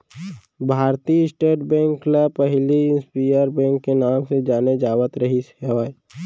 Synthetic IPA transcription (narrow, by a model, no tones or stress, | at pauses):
bʱaːɾt̪iɪsʈeːʈbɛ̃ːŋkːləbpəɦliɪnspiːjəɾbɛ̃ːŋkːenaːmsed͡ʒaːned͡ʒaːʋət̪ɾəɦisəʋaː